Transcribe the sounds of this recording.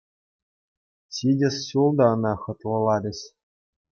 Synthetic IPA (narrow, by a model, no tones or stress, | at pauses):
ɕʲidʲɘ̆sɕulˠd̪ɑɤ̆nɑχɤ̆t̪lˠɤ̆lˠɑɾʲɘ̆ɕʲ